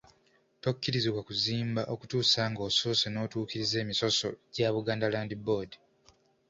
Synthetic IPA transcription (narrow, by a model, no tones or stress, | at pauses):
to̞kːiɾiziβwakuziːmbaʔo̞kutuːsaːŋɡo̞ːsoːseno̞ːtuːkiɾize̞ːmiso̞so̞̰ɟaβuɡaːndalaːndiboːdi